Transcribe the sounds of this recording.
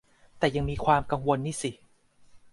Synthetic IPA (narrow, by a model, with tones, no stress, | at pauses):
t̪ɛː˨˩ja˧ŋmiː˧kʰwaː˧mka˧ŋwo˧nːiː˥˩si˨˩